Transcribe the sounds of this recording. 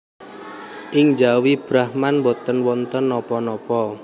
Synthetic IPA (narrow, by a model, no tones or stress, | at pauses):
ʔɪŋd͡ʒawib̥ɾahmanmbɔt̪ənwɔnt̪ənːɔpɔnɔpɔ